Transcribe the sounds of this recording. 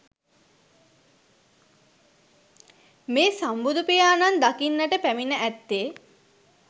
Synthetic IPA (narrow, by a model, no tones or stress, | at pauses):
meːsambud̪upijaːnand̪akinːəʈəpæminəʔæt̪ːeː